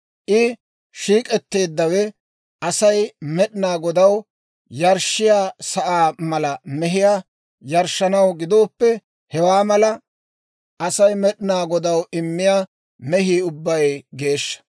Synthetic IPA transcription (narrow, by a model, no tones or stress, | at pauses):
ʔɪ | ʃiːkʼɛt̪ːe̞ːd̪ːɐwɛ | ʔɐsɐjmɛɗɪnaːɡɔd̪ɐw | jɐɾʃɪjaːsɐʔaːmɐlɐmɛɦɪja | jɐɾʃːɐnɐwɡɪd̪o̞ːpːɛ | hɛwaːmɐlɐ | ʔɐsɐjmɛɗɪnaːɡɔd̪ɐwɪmːɪjaː | mɛɦiːʊbːɐjɡe̞ːʃːɐ̥